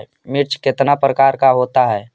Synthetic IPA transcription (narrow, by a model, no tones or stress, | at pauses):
mɪɾt͡ʃkɪt̪napɾəkaːɾkaɦoːt̪aɦɛː